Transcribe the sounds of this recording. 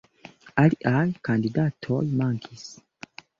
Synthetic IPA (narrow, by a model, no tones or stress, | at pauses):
aliʔajkandidatʰo̞jmaŋkʰis